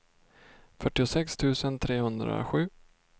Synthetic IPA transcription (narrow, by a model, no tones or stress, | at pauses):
fœʈːɪʊsɛkst̪ʰʉ̟ːsənt̪ʰɾeːhɵnd̪ɾa̰ɧʉ̟ː